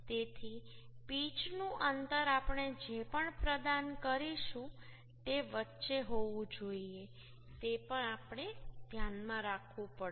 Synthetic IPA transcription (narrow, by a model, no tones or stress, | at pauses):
t̪et̪ʰipit͡ʃnũʔənt̪əɾapɳ̃ed͡ʒepəɳpɾəd̪ankəɾiʃũ | t̪eʋətːʃeɦoʋũd͡ʒoie | t̪epəɳapɳ̃ed̪ʱjanmãɾakʰʋũpə